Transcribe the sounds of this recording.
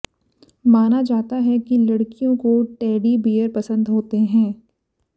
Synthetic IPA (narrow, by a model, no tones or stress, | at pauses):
maːnad͡ʒaːt̪aɦɛkilɐɽkijõkoʈɛːɖibiːəɾpɐsə̃nd̪ɦoːt̪eɦɛ̃ː